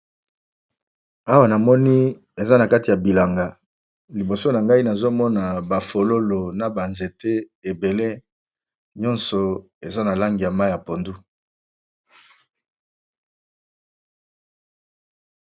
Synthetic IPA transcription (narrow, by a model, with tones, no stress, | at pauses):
a˦wa˦na˨mɔ˦ni˦ | e˨za˦na˨ka˦ti˨ja˨bi˨la˨ŋɡa˨ | li˨bo˨so˦na˨ŋɡa˦i˦na˨zo˦mɔ˦na˨ba˨fo˨lo˦lo˨na˨ba˨nze˨te˦ | e˨be˨le˦ | ɲɔ˦nsɔ˨ | e˨za˦na˨la˦ŋɡi˨ja˨ma˦˨ja˨po˨ndu˦